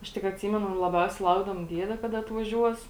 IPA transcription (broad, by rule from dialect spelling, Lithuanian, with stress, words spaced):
ˈɐʃ tʲɪk ɐtʲˈsʲiːmʲɛnʊ lˠɐˈbʲɛʊsʲɛɪ ˈlˠɐʊɡdɐʋoːm ˈdʲiɛdʲɛ ˈkɑːdɐ ɐtʋɐˈʒʲuɔs